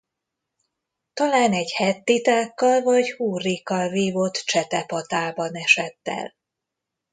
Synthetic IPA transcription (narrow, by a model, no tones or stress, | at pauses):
t̪ɒlaːnɛɟhɛt̪ːit̪aːkːɒlvɒɟhuːrːikːɒlviːvo̞t̪t͡ʃɛt̪ɛpɒt̪aːbɒnɛʃɛt̪ːɛ̰l